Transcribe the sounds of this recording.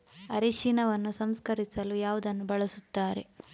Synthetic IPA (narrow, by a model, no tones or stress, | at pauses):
ɐɾeʃiːnɐʋɐnːusɐmskɐɾisɐlujaːʋud̪ɐnːubɐɭɐsut̪ːaːɾe̞̰